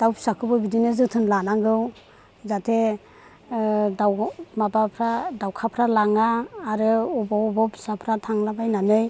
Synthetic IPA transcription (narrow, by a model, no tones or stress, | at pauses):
d̥awpʰi̥sakʰɯbɯbidinɯzɯtʰɯnlanaŋɡɯw | zatʰe | dawmabapʰɾadawkʰapʰɾalaŋaːɾɯubɔwbɔpʰi̥sapʰɾatʰaŋlabajnamɯj